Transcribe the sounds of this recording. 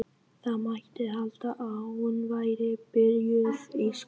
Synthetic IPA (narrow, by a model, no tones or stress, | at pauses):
θaðmaht̪ɪɦalt̪aʔaunvaːjɾɪpɪɾjʏfes